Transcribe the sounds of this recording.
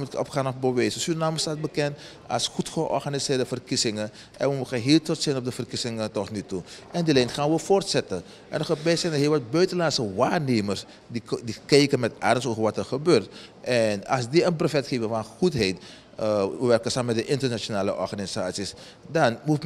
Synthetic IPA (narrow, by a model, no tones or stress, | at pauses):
mutɔ̰pxaːnɔfbəʋɛːsəsynnaːməstaːt̚bəkɛnt | ɑ̰lˠsxutxəʔɔ̰rxanisɪːrdəfərkisɪŋən | ʔɛ̰nʋəmuxanɦiːltɔtsɪnɔp̚dəfərkisɪŋəntɔtnytuʔɛndilɛnxaːnʋəfortsɛtə | ʔɛ̰nəxəbɛsɛjndəɦiːlˠʋɑt̚bœɥtəlansəʋaːrneːmərs | didikɛjkənmɛta̰dəsoːvəɹʋatərxəbøːrtʔɛnɑ̰lˠsdiənprofɛtxeːvənfɔnxutɦejt | əʋəʋɛrkənsaːməmɛt̚dəʔɪntərnat͡ʃonaːləʔɔ̰rxanisaːtsis | dɑnmut